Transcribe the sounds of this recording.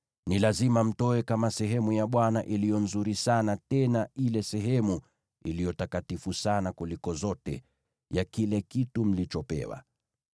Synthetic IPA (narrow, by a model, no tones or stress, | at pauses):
nilazimam̩tɔɛkamasɛɦɛmujaɓwanaʔilijɔn̩zuɾisanatɛnailɛsɛɦɛmu | ḭlijɔtakatifusanakulikɔzɔtɛ̰ | jakilɛkitum̩lit͡ʃɔpɛ̰wa̰